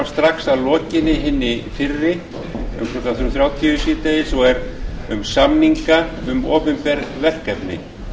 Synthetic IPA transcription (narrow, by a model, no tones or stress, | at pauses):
st̪ɾaksaðlɔːcɪnːɪɦɪnːɪfɪrːɪ | ʏ̰mkʰɾɔk̪aθʏɾʏmθɾjaːwt̪ʰiʏsiːt̪ajɪsɔɛɾʏmsamniŋkaʏmɔːpʏmpɛɾvɛl̥kɛpnɪ̰